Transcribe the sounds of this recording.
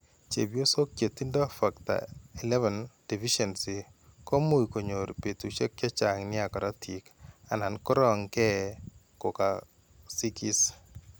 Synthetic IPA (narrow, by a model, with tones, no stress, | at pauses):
t͡ʃḛ˨bjo˦so˦kje˨t̪ːi˦ndɔ˦fa˨k̚t̪a̰˨i˨lɛ˦vɛ˨nd̥i˨fi˦ʃɛ˨nsi˨ko˦mu˦i˨ko˨ɲo˨ɾpe˨t̪u˨t͡ʃɛ˦k̚t͡ʃa˦t͡ʃa˨ŋnɪ˦a˨kɔ˨ɾa˦tʰi˨ka˨na˨nkɔ˦ɾɔ˦ŋkɛ˦ | kɔ˨ka˨ | si˦ki˦s